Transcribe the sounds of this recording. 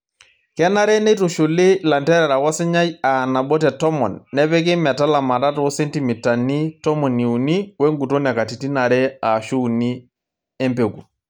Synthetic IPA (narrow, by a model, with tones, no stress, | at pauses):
kɛ˦na˦ɾɛ˦nɛ˦to˨ʃo˨lɪ˦la˨ntɛ˦ɾɛ˨ɾa˨wɔ˦sɪ˦ɲa˦ja˨na˨ɓɔ˦tɛ˨tɔ˦mɔ̰˨nːɛ˦pɛ˦k̬ɪ˦mɛ˨ta˦la˨ma˨ta˦twɔ˦se˦nti˨mi˨ta˨ni˦tɔ˦mɔ˨ni˨u˨ni˦we˦ŋɡu˨to˦nɛ˨ka˨ti˨ti˦na˨ɾɛ˦a˨ʃu˦˨ni˦ | e˦mpe˨ku˨